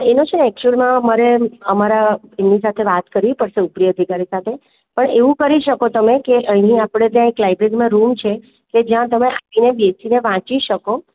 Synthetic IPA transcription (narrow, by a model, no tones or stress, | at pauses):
enõt͡ʃʰenɛk̚t͡ʃuəlmãmaɾeəmaɾaennis̬at̪ʰeʋat̪kəɾipəɾʃeupɾjəːd̪ʱikaɾisat̪ʰe | pəɳeʋũkəɾiʃəkot̪əmekeʔəɦɦĩapɽ̃et̪̬jãeklajbɾeɡmãɾumt͡ʃʰe | ked͡ʒjãt̪əmeʔapinebesineʋãt͡ʃiʃəko